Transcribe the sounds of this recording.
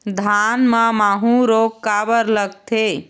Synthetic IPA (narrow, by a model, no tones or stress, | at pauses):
d̪ʱanmemaɦũɾokːabəɾləɡt̪ʰe